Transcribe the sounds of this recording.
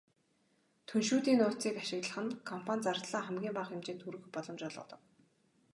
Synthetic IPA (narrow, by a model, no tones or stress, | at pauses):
t̪ʰɵnʃuːt̪iːnʊːt͡siːkaʃɪ̆ɣt̪ɮə̆χɘ̆nkʰɔm̥pʰanʲt͡sart̪ɮaːχæmɡʲiːmpaχɪmt͡ɕeːnt̪ʰuɾɵ̆xpɔɮɞ̆mt͡ɕɔɮʁɞ̰ːt̪ɞ̆k